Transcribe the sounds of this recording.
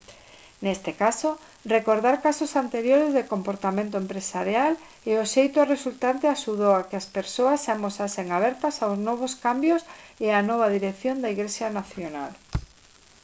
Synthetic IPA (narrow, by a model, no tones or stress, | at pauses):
nest̪ekaso | rekoɾðaɾkasosant̪eɾjoɾezðekompoɾt̪amẽnt̪oempɾesaɾjal | eoʃejt̪oaresult̪ant̪eaʃuðowakeaspeɾsoasːamosaseŋaβɛɾt̪asawznɔβ̞oskambjoseanɔβ̞aðiɾekθjond̪aiɣlesjanaθjona̰l